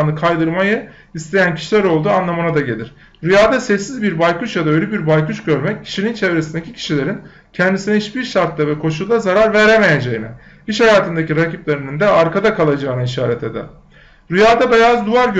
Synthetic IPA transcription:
nɯkʰajd̪ɯɾmajɯ | ist̪ʰe̞jæncʰi̥ʃilʲæɾo̞lˠd̪uːanlˠamanad̪aɟe̞lʲiɾ̥ | ɾyjaːd̪asɛsːizbiɾbajkuʃjad̪aø̞jlʲebiɾbajkuʃɟø̞ɾmɛc̚cʰːi̥ʃinint͡ʃʰevɾe̞sind̪ecicʰi̥ʃilʲe̞ɾin | cʰɛnd̪isinɛiʃbiɾʃaɾt̪lˠavɛkʰo̞ʃulˠd̪azaɾaɾvæɾeme̞je̞d͡ʒejinɛ | iʃhajaːt̪ʰɯnd̪aciɾaciplʲeɾinind̪ɛaɾkad̪akʰalˠad͡ʒaːɯnaiʃaːɾɛt̪ʰe̞d̪ɛ̰ɾ | ɾyjaːd̪abejazd̪uvaɾɟø

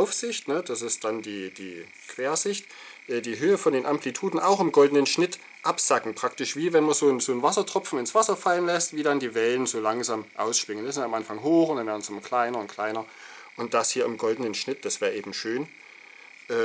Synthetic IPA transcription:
ʊfz̥ɪçtnəd̥asɪst̚d̥andiːd̥iː | kʰv̥eːɐzɪçt | ʔɛːdiːɦøːəfɔndeːnʔamplitʰuːdn̩aʊxɪmɡɔldn̩ənʃnɪt | ʔapz̥akŋ̩pʁ̥aktɪʃv̥iːvɛnmanzoːnzoːnvasɐtʁ̥ɔpp͡fn̩ɪnsv̥asɐfalənlɛstv̥iːdandiːvɛlənzoːlaŋzaːmʔa̰ʊsʃpɪŋənɪsɪnamʔanfaŋɦoːxʊnd̥anvɛːɐn̩sʔɪmɐkʰl̥aɪnɐʊntkʰl̥aɪnɐ | ʔʊnt̚d̥ashiːɐɪmɡɔldn̩ənʃnɪt̚d̥asv̥eːʔeːbm̩ʃøːn | ʔɛː

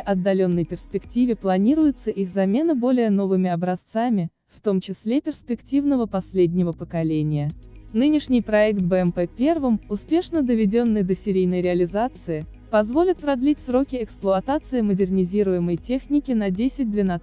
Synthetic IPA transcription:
ʔɐd̪ːɐlʲo̞nːəjpʲɪrspʲɪktʲivʲɪplˠɐnʲiɾʊjʊt̪səʔixzɐmʲe̞nəbo̞lʲɪjəno̞vɨmʲɪɐbɾɐst̪samʲɪ | ft̪o̞mt͡ɕɪsʲlʲepʲɪrspʲɪktʲivnəvəpɐsʲlʲedʲnʲɪvəpəkɐlʲenʲɪjənɨnʲɪʂnʲɪjpɾɐɛkt̪̚bɛɛmpɛpʲe̞rvɨmʊspʲe̞ʂnəd̪əvʲɪdʲo̞nːɨjd̪əsʲɪɾʲijnəjɾʲɪɐlʲɪzat̪sɨɪ | pɐzvo̞lʲɪt̪̚pɾɐd̪lʲitʲsɾo̞kʲɪɛksplˠʊɐt̪at̪sɨɪmədʲɪrnʲɪzʲiɾʊjɪməjtʲe̞xnʲɪkʲɪnɐdʲesʲɪt̚ʲd̪vʲɪna

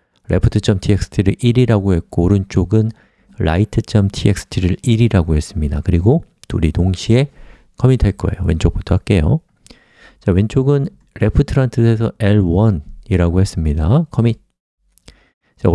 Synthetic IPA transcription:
ɾe̞̰pʰutʰɯt͡ɕ͈ʰʌmtʰiek̚s͈ʰɯ̥tʰiɾɯʔiɾiɾaɡoɦe̞k̚k͈oɾɯnt͡ɕ͈oɡɯn | ɾa̰itʰɯt͡ɕ͈ʌmtʰiek̚s͈ʰɯ̥tʰiɾɯɭiɾiɾaɡoɦe̞s͈ɯmɲida̰kɯɾiɡo | tuɾitoŋɕʰie̞ | kʰʌmitʰaɭk͈ʌ̰e̞̰jo̰we̞nt͡ɕ͈ok̚p͈otʰoak͈̚e̞jo̰ | t͡ɕawe̞nt͡ɕ͈oɡɯn | ɾe̞pʰɯtʰɯɾantʰɯsʰesʰʌe̞ɭwʌniɾaɡoɦe̞s͈ɯmɲidakʰʌmit | t͡ɕa

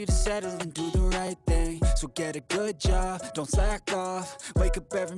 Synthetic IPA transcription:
iɾɨsɛɾə˞ɨ̃ndɨðəɹaɪt̪̚θɪ̃ŋsoʊɡɛɾɨɡʊd̚d͡ʒɑb̚d̥õʊ̃ntsaɪɨkʰɔfweɪkʌpɛvɹi

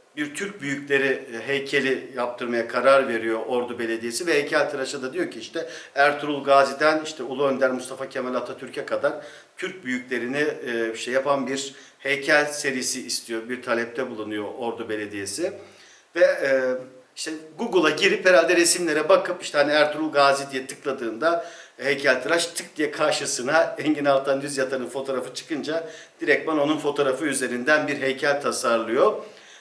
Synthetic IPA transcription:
biɾt̪ʰyɾc̚byjycʲlʲe̞ɾiɦejcʰe̞lʲijap̚t̪ʰɯɾmajakʰaɾaɾve̞ɾijo̞ʔoɾd̪ube̞lʲe̞d̪ije̞sivɛhejcʰælʲt̪ʰɯɾaʃɯd̪ad̪ijo̞cʰiiʃt̪ʰɛæɾt̪ʰuɾulˠɡaːzid̪æniʃt̪ʰɛulˠuønd̪æɾmust̪ʰafacʰemɛlʲat̪ʰat̪ʰyɾcʰɛkʰad̪aɾ | t̪ʰyɾc̚byjycʲlʲe̞ɾinɪbiʃɛjapʰanbiɾ | hejcʰælʲse̞ɾijisiːst̪ʰijobiɾt̪ʰalʲɛp̚t̪ʰɛbulˠunujo̞ʔoɾd̪ube̞lʲed̪ije̞sɪ | vɛː | iʃt̪ʰɛɡuɡɯlˠaɟiɾipːeɾald̪ɛɾesimlʲe̞ɾɛbakʰɯpiʃt̪ɛhaniæɾt̪ʰuɾulˠɡaːzid̪ijɛt̪ʰɯ̥klˠad̪ɯːnd̪ahejcʰalʲt̪ʰɯɾat͡ʃt̪ʰɯk̚d̪ijɛkʰaɾʃɯsɯnaɛɲɟinalˠt̪ʰand̪yzjat̪ʰaɾɯnfo̞t̪ʰo̞ːɾafɯt͡ʃʰɯ̥kɯnd͡ʒad̪iɾɛc̪̚bano̞nunfo̞t̪ʰo̞ɾafɯyze̞ɾind̪ænbiɾɦejcʰælʲt̪ʰasaɾlˠɯjo

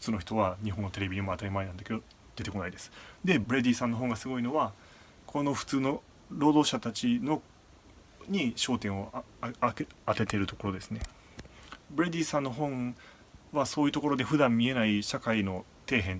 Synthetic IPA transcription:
ɯ̥t͡sɨːnoçi̥t̪o̞βaɲ̟iɦonːo̞t̪e̞ɾe̞bʲiimoat̪aɾʲimainãnd̪aked̪o | d̪̥e̞t̪e̞ko̞naid̪e̞sɨ̥d̪e̞bɯɾe̞d̪ʲiːsãnːo̞ɦõ̞ŋɡasɨɡo̞ino̞βa | kʰo̞no̞ɸɯ̟̥t͡sɨːno̞ | ɾo̞ːd̪o̞ːɕat̪at͡ɕino̞ | ɲ̟iɕo̞ːt̪ẽɰ̃o̞ | at̪e̞t̪e̞ɾɯ̟t̪o̞̥ko̞ɾod̪e̞sɨne̞ | bɯɾed̪ʲiːsãnːo̞ɦõ̞ɴ̃ | βaso̞ːjiɯ̟t̪o̞ko̞ɾo̞d̪e̞ɸɯ̟d̪ãmːʲie̞naiɕakaino̞ | t̪e̞ːɦẽ̞n

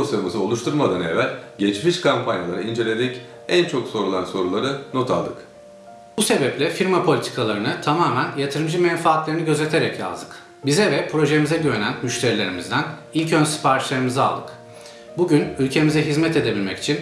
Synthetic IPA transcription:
osamazɯo̞lˠuʃt̪ʰuɾmad̪anevælʲɟet͡ʃmiʃkʰampʰanjalˠa̰ɾaind͡ʒe̞lʲed̪ɛc | ænt͡ʃʰo̞kso̞ɾulˠanso̞ɾulˠaɾɯnot̪ʰa̰lˠd̪ɯ̰k | buse̞bɛplʲɛfiɾmapʰo̞lʲit̪ʰi̥kʰalˠaɾɯnɯt̪ʰamaːmænjat̪ʰɯɾɯmd͡ʒɯmɛnfaːt̪lʲeɾiniɟø̞zlʲet̪ʰe̞ɾɛcja̰zd̪ɯk | bizɛvɛpʰɾo̞ʒe̞mizɛɟyvenænmyʃt̪ʰe̞ɾilʲe̞ɾimizd̪æn | ilʲcønsi̥pʰaɾt͡ʃʰlˠaɾɯmiza̰lˠd̪ɯk | buɟynylʲcʰe̞mizɛɦizmɛt̪ʰe̞d̪e̞bilʲmɛci̥t͡ʃʰin

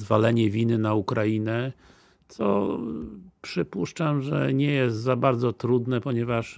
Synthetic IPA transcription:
valɛɲɛvʲinɘnaukɾajinɛ | t̪sɔ̰ | pʂɘpuʂt͡ʂamʐɛ̰ɲɛjɛst̪zabaɾd̪zɔt̪ɾud̪nɛpɔɲɛvaʂ

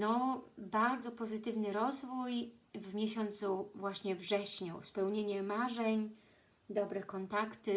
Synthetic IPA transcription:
nɔbaɾd̪zɔpɔzɘt̪ɘvnɘɾɔzvujvmʲjeɕɔnt̪suvwaɕɲɛvʐɛɕɲũspɛwɲeɲɛmaʐɛɲ | d̪ɔbɾɘkɔnt̪akt̪ɘ

